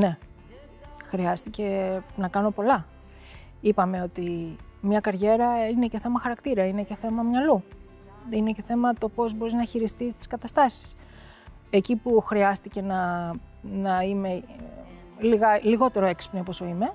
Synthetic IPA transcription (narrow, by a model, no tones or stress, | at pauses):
ne̞ | xɾiɐst̪ice̞nɐkɐno̞po̞lɐ | ipɐme̞o̞t̪imɲɐkɐɾʝe̞ɾɐine̞ce̞θe̞mɐxɐɾɐkt̪iɾɐine̞ce̞θe̞mɐmɲɐlu | ine̞ce̞θe̞mɐt̪o̞po̞zbo̞ɾiznɐçiɾist̪ist̪i̥skɐt̪ɐst̪ɐsi̥s | ecipuxɾiɐst̪ice̞nɐ | nɐime̞ | liɣɐliɣo̞t̪e̞ɾoekspneposo̞ime̞